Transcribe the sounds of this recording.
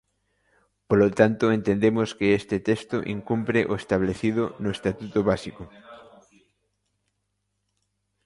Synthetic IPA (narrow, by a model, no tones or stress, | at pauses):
polot̪ant̪ʊent̪end̪emʊskɪest̪ɪt̪est̪oʔiŋkumpɾɪʔoest̪aβleθiðʊnʊest̪at̪ut̪oβasiko